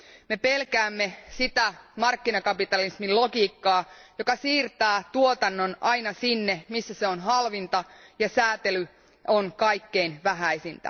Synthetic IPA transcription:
me̞pelkæːmːe̞sit̪æmɑrkːinɑkɑpit̪ɑlismilokiːkːɑːjo̞kɑsiːrt̪æːt̪uot̪ɑnːo̞nʔɑinɑsinːemisːæseonɦɑlʋint̪ɑjɑsæːt̪ely | onkɑikːeinʋæɦæe̞sint̪æ̰

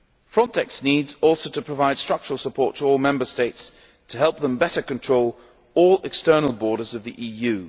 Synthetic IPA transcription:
fɹɒ̃ntʰɛksniːdzɔˑlˠsoʊɾəpʰɹ̥əvaɪd̥stɹ̥ʌk̚t͡ʃəɹəl̩ˠsəpʰɔˑɹtʰəɔlˠmɛ̃mbə˞steɪts | tʰəɦɛlˠp̚ðə̃mbɛɾə˞kɨ̃ntʰɹ̥oʊlˠ | ɔlˠɪkstɜ˞nl̩ˠbɔɹɾə˞zʌvðiʔiːjʉ

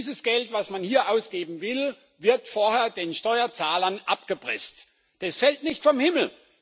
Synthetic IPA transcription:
zəsɡ̥ɛltv̥asmanhiːɐʔaʊsɡ̥eːbm̩vɪl | vɪɐtfoːɐheːɐdeːnʃtɔʏɐt͡saːlɐnʔap̚ɡ̥əbʁɪ̰st | d̥ɛsfɛltnɪçtfɔmhɪml̩

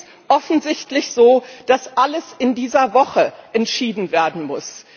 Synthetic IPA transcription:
ʔɔfn̩zɪçtlɪçz̥oːd̥asʔaləsɪndiːzɐvɔχəʔɛntʃiːdn̩veːɐdn̩mʊs

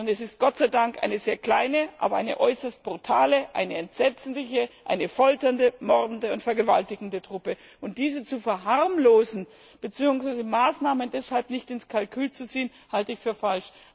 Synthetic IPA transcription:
ʊntɛsɪst̚ɡ̥ɔtt͡saɪdaŋkʔa̰ɪnəzeːɐkl̥a̰ɪnəʔa̰ːbɐʔa̰ɪnə̰ʔɔʏsɐst̚b̥ʁutʰaːləʔa̰ɪnəɛntz̥ɛt͡snlɪçəʔa̰ɪnəfɔltɐndəmɔʁdn̩dəʊntfɛɐɡəva̰ltɪɡŋ̩dətʁ̥ʊpə | ʔʊnt̚d̥iːzət͡sufɛɐɦaʁmloːzn̩ | b̥ət͡siːʊŋsv̥aɪzəmaːsnaːməndɛshalpnɪçtɪnskʰalkʰyːlt͡sut͡siːən | haltəɪçfyːɐfalʃ

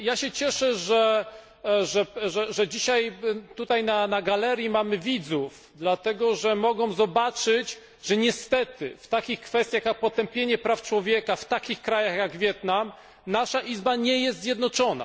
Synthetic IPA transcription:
jaɕɛt͡ɕɛʂɛʐɛ | ʐɛʐɛʐɛd͡ʑiɕajt̪ut̪ajnanaɡalɛɾʲjimamɘvʲid̪zuf | d̪lat̪ɛɡɔʐɛmɔɡɔ̃w̃zɔbat͡ʂɘt͡ɕ | ʐɛɲɛst̪ɛt̪ɘ̰ft̪akʲixkfɛst̪jaxjak̚pɔt̪ɛmpʲjeɲɛpɾaft͡ʂwɔvʲjɛkaft̪akʲixkɾajaxjaɡvʲjɛt̪nam | naʂaʔizbaɲɛjɛst̪zʲjɛd̪nɔt͡ʂɔna̰

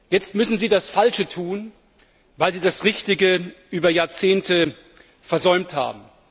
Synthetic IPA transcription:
jɛt͡stmʏsn̩ziːdasfalʃətʰuːn | vaɪlziːdasʁɪçtɪɡəʔyːbɐjaːɐt͡seːntʰə | fɛɐzɔʏmtha̰ːbm̩

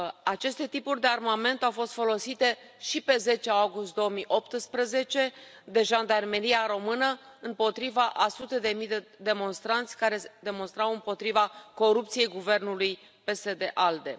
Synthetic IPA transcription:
at͡ʃe̞st̪e̞t̪ipurʲd̪e̞armame̞nt̪awfo̞st̪fo̞lo̞sit̪e̞ | ʃipe̞ze̞t͡ʃeaɡust̪̚d̪o̞omijʔo̞p̚t̪ɨspɾəze̞t͡ʃe̞ | d̪e̞ʒand̪arme̞ɾiaɾo̞mɨnə | ɨmpo̞t̪ɾivaʔasut̪e̞d̪e̞mijd̪ed̪e̞mo̞nst̪ɾant̪sʲkaɾe̞d̪e̞mo̞nst̪ɾawɨmpo̞t̪ɾivako̞ɾup̚t̪sije̞jɡuve̞rnuluj | pe̞se̞d̪e̞ʔald̪e̞̰

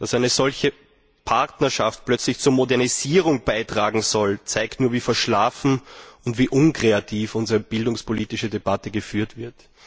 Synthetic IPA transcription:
d̥asæɪnəz̥ɔlçə | pʰaʁtnɐʃaft̚plœt͡slɪçt͡suːɐmodɛɐniziːʁ̞ʊŋb̥aɪtʁ̥aːɡŋ̩zɔlt͡sæɪktnuːɐviːfɛɐʃlaːfn̩ʊntv̥iːʔʊnkʁ̥eatʰiːfʊnzəʁəb̥ɪldʊŋspʰoliːtɪʃədebatəɡəfyːɐtv̥ɪɐt

